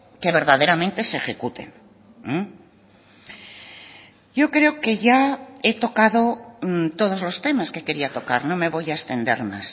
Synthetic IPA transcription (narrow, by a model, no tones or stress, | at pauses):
ke̞β̞e̞ɾðað̞e̞ɾamẽnt̪e̞se̞xe̞kut̪e̞̰n | ɟ͡ʝo̞kɾe̞oke̞ʝae̞t̪o̞kaðo̞t̪o̞ð̞o̞zlo̞st̪e̞maske̞ke̞ɾiat̪o̞kaɾnõ̞me̞βo̞jaest̪e̞nd̪e̞̰ɾma̰s